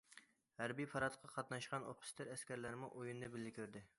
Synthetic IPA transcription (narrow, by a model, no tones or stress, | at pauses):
hæɾbijpʰɑɾɑt̪lˠəqʰːɑqʰɑt̪nɑʃqɑno̰pʰʊ̥st̪ʰɪɾæskʲæɾlæɾɪmuʔojunɛbɪlːɪkʲʰøɾd̪ɪ